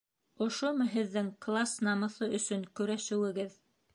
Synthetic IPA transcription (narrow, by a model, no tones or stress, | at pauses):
ŏʃomɤɦɘ̆ðːɘŋklˠasnɑmɤ̆θɤʔɵ̆sɵŋkɵ̆ɾæʃɘ̆wɘ̆ɡɘð